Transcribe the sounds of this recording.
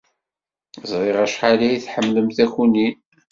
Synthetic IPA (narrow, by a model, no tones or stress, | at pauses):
zˤɾˤɪʁæʃħaliiθħəmːləmθæçuni